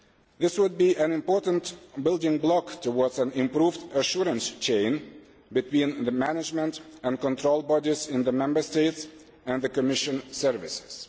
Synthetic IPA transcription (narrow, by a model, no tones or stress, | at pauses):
ðɪswʊd̚biʔɨ̃nɪ̃mpɔɹʔn̩tbɪlˠdɪ̃ŋblɔktʰəwɔɹdzæ̃nɪ̃mpɹuvdəʃʊɹə̃nst͡ʃʰẽɪ̃n | bɨtʰwĩnðɨmænɪd͡ʒmə̃ntɨ̃nkə̃ntʰɹoʊlˠbɔdizɪ̃nðəmɛ̃mbə˞steɪts | ɨ̃nðɨkəmɪʃɨ̃nsɜ˞vɪsɪ̥z̥